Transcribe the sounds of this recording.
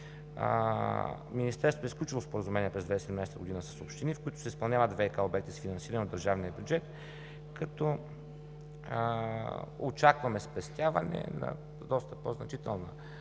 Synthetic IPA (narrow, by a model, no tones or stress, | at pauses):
minist̪ɛɾsvot̪ɛsklʲut͡ʃilˠospoɾəzumɛniɛpɾɛzd̪vaisɛd̪mnajsɛt̪əɡod̪inəsə̥sopʃt̪inifkoit̪ʊ̥sɛispɐlˠnʲavəd̪vɛjkaobɛkt̪isfinɐnsiɾɐnɛod̪ːɐɾʒavnijəbjud͡ʒɛt̪ | kɐt̪ɔ | ot͡ʃakvɐmɛspɛst̪ʲjavɐnɛ̰nɐ̰ | d̪ɔst̪əpɔznɐt͡ʃit̪ɛlˠnə̰